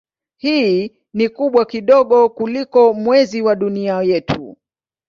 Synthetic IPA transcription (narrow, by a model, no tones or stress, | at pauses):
hiː | nikuɓwakiɗɔɠɔkulikɔmwɛziwaɗuniajɛtʰṵ